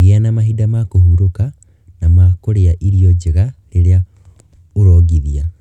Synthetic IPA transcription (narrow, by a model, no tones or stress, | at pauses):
ɣeanamahidamakohuɾuka | namakoɾejaʔiɾijoɟiɣaɾeɾja | uɾoɡiðija